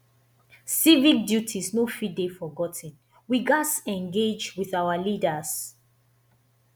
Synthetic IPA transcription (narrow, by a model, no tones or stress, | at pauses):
sivik̚djutʰisnofidefɔɡɔtʰə̃n | wiɡasɛ̃nɡed͡ʒwiðawalidəz̥